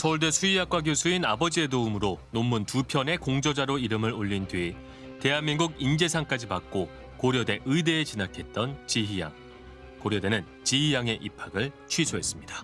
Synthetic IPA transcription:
sʰʌuɭdwesʰuijak͈̚wak̬josʰuinabʌd͡ʑiedoumɯɾonomːuntupʰjʌne̞koŋd͡ʑʌd͡ʑaɾoiɾɯmɯɾoʎːindɥi | te̞ɦamːiŋɡuɡind͡ʑe̞sʰaŋk͈ad͡ʑipak̚k͈o | koɾjʌde̞ʔɯide̞ːt͡ɕinakʰe̞t̚t͈ʌnt͡ɕiia̰ŋ | koɾjʌde̞nɯn | t͡ɕiɦijaŋe̞ʔipʰaɡɯɭt͡ɕʰɥisʰoɦe̞s͈ɯmɲidḁ

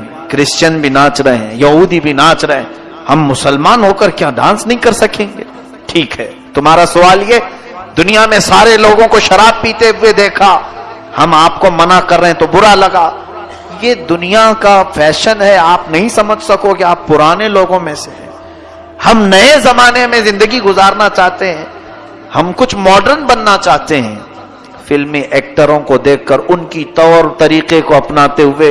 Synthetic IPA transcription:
kɾɪst͡ʃənbʱinaːt͡ʃɾɐɦeɛ̃jɐɦuːd̪ibʱinaːt͡ʃɾɐɦḛ̃ː | hɐmːʊsəlmaːnɦoːkəɾkjaːɖã̰ːnsnɐɦĩkɐɾsɐkẽːŋɡeː | ʈʰiːkɦɛː | t̪ʊmaːɾasʊʋaːljɛː | d̪ʊnijamẽsaːɾeloːɡõkoʃɐɾaːb̚piːt̪eɦʊed̪eːkʰa | hɐmaːp̚komɐnakɐɾːɐɦẽt̪obʊɾalɐɡaː | jed̪ʊnijakafɛːʃənɦɛaːpnɐɦĩsɐməd͡ʒʱsɐkokeaːpːʊɾaːneloːɡõmẽseɦɛ̰̃ː | hɐmnɐezɐmaːnemẽzɪ̃nd̪əɡiɡʊzaːɾnat͡ʃaːɦt̪eɦɛ̃ː | hɐmkʊt͡ʃʰmɔːɖəɾnbɐnːat͡ʃaːɦt̪eɦɛ̰̃ː | fɪlmẽʔɛːk̚ʈəɾõkod̪eːkʰːɐɾʊnkit̪ɔːɾt̪ɐɾiːqekoɐpnaːt̪eɦʊe

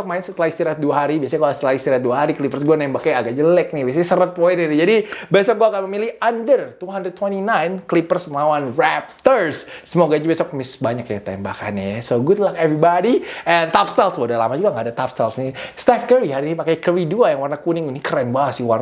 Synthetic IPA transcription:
sɔk̚maɪnsət̪əlahist̪iɾat̪̚duaɦaɾibiasaɲakalsət̪əlahist̪iɾat̪̚duaɦaɾikəlipərsɡuanaɪmbakajaɡad͡ʒəlɛk̚nibiasaɲasəɾət̪̚poinit̪id͡ʒadibesɔk̚ɡuakanməmilɪhandərt̪uɦandɾəd̪̚t̪wɛntinajnklipərsməlawanrɛp̚t̪ərsːəmoɡad͡ʒabesɔk̚mɪsbaɲakjat̪ɛmba̰ka̰nɛjsoɡat̪əlakɛvɾibadiɛnt̪apst̪alswadala̰mad͡ʒuɡaŋɡaːdat̪apst̪alsnist̪ɛfkəɾiɦaɾinipakajkəɾiduajaŋwarnakunɪŋunikərɛnbasɪwar

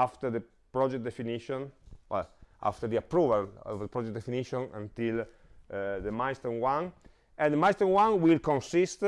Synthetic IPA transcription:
aft̪əɾd̪ə | pɾɔd͡ʒɛk̚d̪efiniʃɔ̃nwɛ̰lʔa̰ft̪əɾd̪iapɾuvalɔ̰vd̪əpɾɔd͡ʒɛk̚d̪efiniʃɔ̃nã̰nt̪il | d̪əmajst̪ənwãn | ɛ̃nd̪majst̪ənwãnwilkɔ̃nsist̪

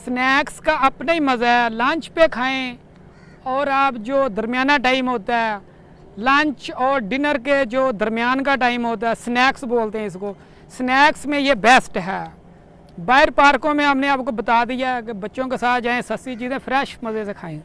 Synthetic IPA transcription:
snɛːkskaːəpnaːiməzaɛːlãːɲt͡ʃpekʰaːẽː | ɔːɾaːpd͡ʒoːd̪əɾmjaːnaːʈaːɪmɦoːt̪aɦɛː | lãːɲt͡ʃɔːɾɖɪnəɾked͡ʒoːd̪əɾmɪjaːnkaːʈaːɪmɦoːt̪̬aːɛːsnɛːksboːlt̪eɦɛ̃ɪs̬koː | snɛːksmẽjeːbɛːsʈɦɛː | baːɪɾpaːɾkõːmẽɦapnẽaːpkobət̪aːd̪ɪjaɛk̬ebətːʃõːkesaːt̪ʰd͡ʒaːẽːsəsit͡ʃiːzẽːpʰɾɛːʃməzesekʰaːẽː

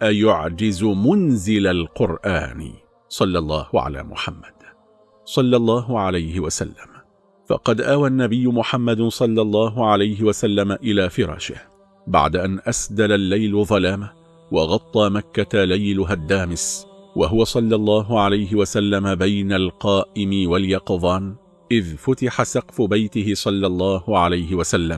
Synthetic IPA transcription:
ʔajʊʕd͡ʒɪzʊmʊnzɪlalqʊɾʔa̰ːn̰ | sˤɑlːɑlˤːɑ̰ːhʊʕa̰la̰ːmʊ̰ħamːad̪̥ | sˤɑlːɑlˤːɑːɦʊʕalajhɪwasa̰lːam | fɑ̰qɑd̪ʔaːwanːabɪjːʊmʊħamːad̪sˤɑlːɑlˤːɑːɦʊʕalajɦɪwasalːamaʔɪlaːfɪɾˤɑ̰ːʃɪ̰h | ba̰ʕd̪aʔanʔasd̪alalːajlʊðˤɑlaːma | wɑɣɑt̪ˤːɑːmakːat̪alajlʊɦad̪ːaːmɪswa̰ɦʊwasˤɑlːɑlˤːɑːɦʊʕalajɦɪwasalːamabajnalqɑːʔɪmɪwaljɑqðˤɑːn | ʔɪðfʊt̪ɪħasɑqfʊbajt̪ɪɦɪsˤɑlːɑlˤːɑːhʊʕalajhɪwasalːam

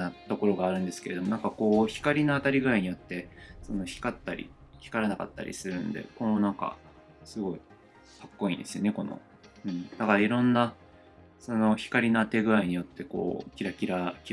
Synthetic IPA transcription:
at̪o̞ko̞ɾo̞ɡaːɾɯ̟̃nd̪e̞sɨ̥ke̞ɾe̞d̪o̞mo̞nãŋkako̞ːçi̥kaɾʲinoat̪aɾʲiɡɯɾaiɲ̟ijo̞t̪ːe̞so̞no̞çi̥kat̪ːaɾʲḭçʲi̥kaɾanaka̰t̪ːa̰ɾʲʔḭsɨɾɯ̟nd̪e̞̰ko̞no̞nãŋka̰ | sɨɡo̞i | kḁkːo̞ḭ̃ːnd̪esɨjo̞̰neko̞no̞̰ | ɯ̟̃ɴd̪akaɾiɾõ̞nːa | so̞no̞çi̥kaɾʲinoat̪e̞ɡɯ̟ɾaiɲ̟ijo̞t̪ːe̞ko̞̰ːkʲiɾakʲiɾakʲi

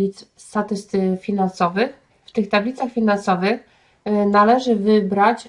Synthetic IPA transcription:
it̪s | st̪at̪ɘst̪ɘfʲinansɔvɘx | ft̪ɘxt̪ablʲit̪saxfʲinansɔvɘx | nalɛʐɘvɘbɾat͡ɕ

